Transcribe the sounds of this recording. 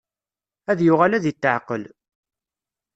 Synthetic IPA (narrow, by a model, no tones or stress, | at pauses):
æðjʊʁalæðit̪ːə̰ʕqəl